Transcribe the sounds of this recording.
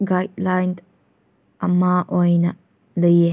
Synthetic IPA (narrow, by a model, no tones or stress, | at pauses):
ɡajd̚lajn | ʔɐmaʔɔjnɐ | ləje